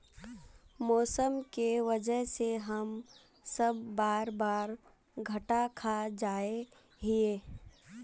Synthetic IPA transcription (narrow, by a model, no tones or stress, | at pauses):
mɔːsəmkeʋəd͡ʒəɦseɦəm | səbːaːɾbaːɾ | ɡʱɐʈakʰad͡ʒaːe | ɦieː